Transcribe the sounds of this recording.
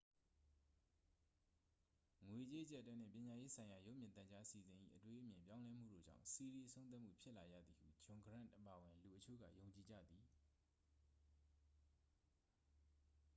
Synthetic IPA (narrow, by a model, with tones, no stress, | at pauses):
ŋwe˨t͡ɕe˦ʔət͡ɕɛ˦ʔtːɛ̃˦n̥ɪ̰̃˦˨pjɪ̃˨ɲa˨je˦sʰã˨ɪ̃ja˨jo˦ʔmjɪ̃˨t̪ã˨t͡ɕa˦ʔəsi˨zɪ̃˨ʔḭ˦˨ʔətwe˦ʔə˦mjɪ̃˨mpjã˦ʊ̃lɛ˦m̥ṵ˦˨ɾo̰˦˨d͡ʑã̰˦˨ʊ̃si˨ɹi˨ʔəsʰõ˦n̬a˦ʔmṵ˦˨pʰjɪ˦ʔla˨jä̰˦˨d̪ði˨hṵ˦˨d͡ʑʊ̃˨ŋɡəɹã̰˦˨ʔʔəpa˨əwɪ̃˨nlu˨ʔət͡ɕʰo̰˦˨ɡä̰˦˨jõ˨ʊ̃ɲt͡ɕi˨d͡ʑä̰˦˨d̪ði˨